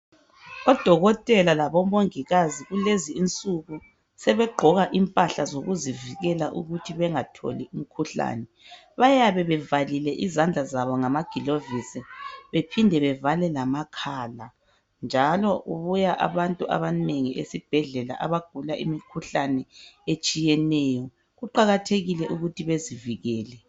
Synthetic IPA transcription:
ɔd̥ʱɔɣɔtʼɛlalaβɔmoŋiɣaziɣuleziːnt͡sʼuɣu | sɛβɛɡ͡ǃʱɔɣaʔimpʼaɬazoɣuziviɣɛlaʔuɣutʰiβɛŋatʰo̰lium̩kʰuɬa̰ːnɛ | βajaβɛβɛvalilɛʔizand͡ɮʱazaβɔŋamaɡ̥ʱilovisiβepʰindʱɛβɛvalɛlamakʰaːla | nd͡ʒʱalɔʔuβujaʔa̰βantʼua̰βaneŋiʔḛsib̥ʱɛɮɛla̰ʔaβaɡ̥ʱulaʔimikʰuɬanɛet͡ʃʼijɛnɛːjɔ | ɣuǃaɣatʰeɣilɛʔuɣutʰiβeziviɣɛːlɛ

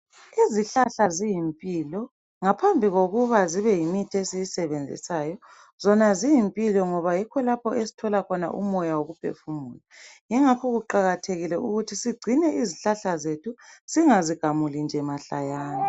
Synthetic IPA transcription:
iziɬaɬazijimpʼilɔ | ŋapʰambʱiɣoɣuβaziβɛjimitʰesijisɛβend͡zʱḭsaːjɔ | zɔnazijimpʼilɔŋɔβajikʰɔlapʰɔʔesi̥tʰɔlakʰɔna̰ʔṵmɔjawoɣupʰḛfumuːlajiŋakʰɔɣuǃaɣatʰeɣilɛuɣutʰisiɡ͡ǀʱinɛʔiziɬaɬazetʰusiŋaziɡ̥ʱamulind͡ʒʱɛmaɬa̰jaːna

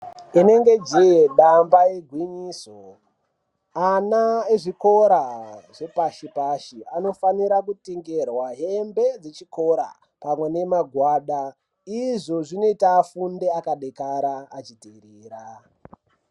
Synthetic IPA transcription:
ine̞ŋɡe̞d͡ʒijeɗambaeɡʱwiɲiːso | anaeʐiko̞ɾaʐ̥e̞paʃipaʃiano̞faniɾak̬utiŋɡerwaɦembe̞d͡zet͡ʃiko̞ɾa̰ | pamwe̞ne̞maɡʱwaːɗa | iʐo̞ʐinoitaːfundeakaɗekaɾaːt͡ʃitiɾiːɾa

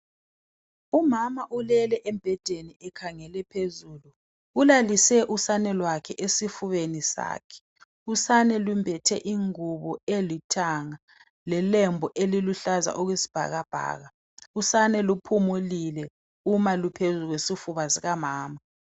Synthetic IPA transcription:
umamaʔulɛlɛʔɛmb̥ʱɛd̥ʱeniɛkʰaŋɛlɛpʰezuːlu | ulalisɛʔusanɛlwakʰɛʔesifuβenisa̰ːkʰɛ̥ | usanɛlumbʱɛtʰɛ̰ʔiŋuβɔelitʰaŋa | lɛlɛmbʱɔʔeliluɬaza̰ʔɔɣwesi̥b̥ʱa̰ɣab̥ʱa̰ːɣa | usanɛlupʰumulilɛ | umalupʰezuɣwesifuβaziɣamaːma

